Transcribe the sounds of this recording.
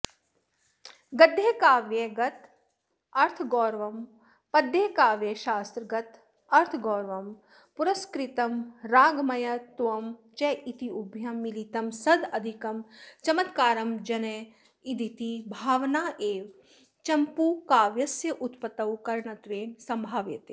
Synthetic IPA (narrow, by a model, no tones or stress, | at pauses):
ɡɐd̪ʱːeːkaːʋjeɡɐt̪ | ɐɾt̪ʰɡɔːɾʋɐm | pɐd̪ʱːeːkaːʋjeʃaːst̪ɾɐɡɐt̪ | ɐɾt̪ʰɡɔːɾʋɐm | puɾɐskɾit̪ɐmɾaːɡmɐjɐt̪ʋɐmt͡ʃɐʔit̪iubʱjɐmːilit̪ɐmsɐd̪ɐd̪ʱikɐmt͡ʃɐmɐt̪kaːɾɐmd͡ʒɐne | id̪ʱit̪ibʱaːʋnaːʔeːʋ | t͡ʃɐmpukaːʋjɐsjɐʔut̪pɐt̪ɐwkɐɾɳɐt̪ɾeːnsɐ̃mbʱaːʋjɐ̰t̪eː